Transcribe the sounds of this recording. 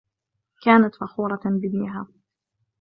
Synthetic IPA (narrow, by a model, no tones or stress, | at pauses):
kaːnat̪faxuːɾˤɑbɪb̪nɪɦa̰ː